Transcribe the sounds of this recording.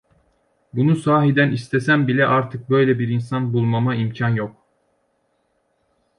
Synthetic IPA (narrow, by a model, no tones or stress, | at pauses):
bunusaːɦid̪ænist̪ʰɛsæmbilʲɛʔaɾt̪ʰɯk̚bø̞jlʲɛbiɾinsanbulˠmamaimcʰanjo̞k̚